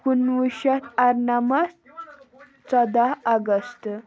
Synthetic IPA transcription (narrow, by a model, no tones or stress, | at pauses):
kunʋiɕat̪aɾnamas | t͡sɔd̪aaɡəst̪